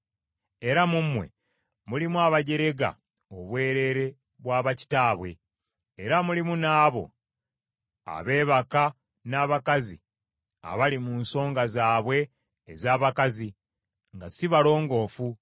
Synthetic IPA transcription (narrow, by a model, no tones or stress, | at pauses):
e̞ɾamumwe̞̰ | mulimuaβaɟe̞ɾe̞ɡa̰ | oβwe̞ːɾe̞ɾe̞ | βwaːβaci̥taːβwe̞̰ | eɾamulimunaːβo̞̰ | a̰βe̞ːβaka | naːβakazḭ | a̰βalimunso̞ːŋɡazaːβwe̞ː | zaːβakazi | ŋɡasiβalo̞ːŋɡo̞ːfu